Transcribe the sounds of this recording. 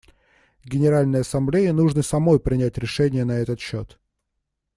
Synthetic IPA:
ɡʲɪnʲɪɾalʲnəjəɐsɐmblʲejɪnuʐnɨsɐmo̞jpɾʲɪnʲætʲɾʲɪʂɛnʲɪjənɐɛt̪ət̪ɕːot̪

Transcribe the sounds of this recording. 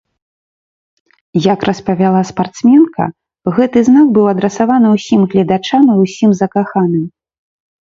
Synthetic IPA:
jɐkrʔɐspɐvʲalˠaspart̪smʲɛnkɐ̰ | ɣɛt̪ɨznaɡbɨwɐd̪ɾɛsavanɨwsʲimɣlʲɐd̪at͡ʂamiwsʲimzɐkaxanɨm

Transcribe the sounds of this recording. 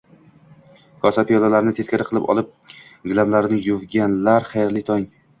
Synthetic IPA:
kʰɒsapijɒlˠalaɾɪnɪt̪ʰeskʲaɾɪqʰɨlˠɪpɒ̰lˠɪp̚ | ɡʲlˠamlaɾɪnɪjʊvɡʲanlaɾχajɾlɪt̪ʰɒŋ

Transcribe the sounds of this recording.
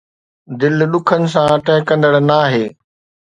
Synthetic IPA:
d̪ɪlɗʊkʰənɪ̆s̬ãʈɛ̃ɦɪkɐ̃nd̪əɽnaːɦeː

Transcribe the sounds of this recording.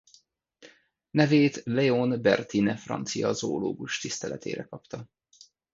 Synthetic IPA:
nɛveːt̪lɛonbɛrt̪inɛfrɒ̰nt̪sijɒzoːloːɡuʃt̪ist̪ɛlɛt̪ʰḛːɾɛkɒpt̪ɒ

